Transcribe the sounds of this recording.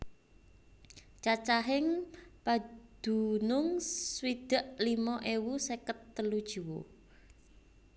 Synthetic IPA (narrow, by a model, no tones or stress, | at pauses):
t͡ʃat͡ʃaɦɪŋpad̪̥ṳnʊŋswid̪̥ə̤ʔlimɔʔewusekət̪ːəlud̥ʒ̥i̤wo